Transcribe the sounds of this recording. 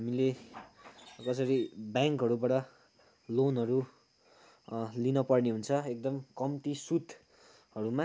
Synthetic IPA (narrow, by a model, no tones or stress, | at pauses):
ɦamile | kʌsʌɾibjaŋkɦʌɾubaʈʌ | lonɦʌɾu | linʌpʌrniɦunt͡sʰʌek̚d̪ʌmkʌmt̪isut̪ | hʌɾumã